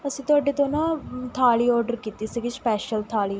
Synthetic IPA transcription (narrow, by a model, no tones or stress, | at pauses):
əsĩːt̪ʊaːɖeːt̪oːnãːt̪ʰaːliːɔːɾɖəɾkiːt̪iːsiɡɪspɛːʃəlt̪ʰaːliː